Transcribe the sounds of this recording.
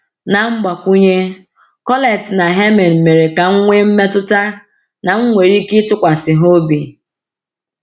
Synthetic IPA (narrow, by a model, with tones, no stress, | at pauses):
na˨ŋ͡m̩˦ɡ͡ba˨kʷu˦ɲe˦ | kɔ˦le˨tna˨ɦe˦me˨n̩˨me˨ɾe˨ka˨ŋ̩˦ŋʷe˦m̩˦me˦tʊ˦ta˦ | na˨ŋ̩˦ŋʷe˨ɾi˦kɪ˦tʊ˦kʷa˨sɪ˨ɦo˦bi˨